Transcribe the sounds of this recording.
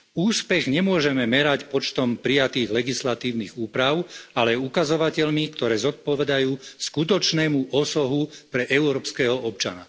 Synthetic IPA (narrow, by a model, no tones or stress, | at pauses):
uːspɛɣɲɛmʊɔʒɛmɛmɛɾacpɔt͡ʃt̪ɔmpɾijat̪iːɣlɛɡislat̪iːʊniɣuːpɾaʊalɛukazɔʋacɛʎmikt̪ɔɾɛːzɔt̪̚pɔʋɛd̪ajuːskut̪ɔt͡ʃnɛːmuʔɔsɔɦupɾɛʔɛʊɾɔːpskɛːɦɔʔɔpt͡ʃa̰na̰